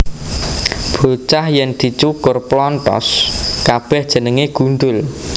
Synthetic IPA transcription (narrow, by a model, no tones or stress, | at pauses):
b̥o̤t͡ʃahjɛnd̪̥i̤t͡ʃukʊrplɔnt̪ɔ̰skab̥ɛhd̥ʒ̥ə̤nəŋeɡ̥ṳnɖ̪ʊl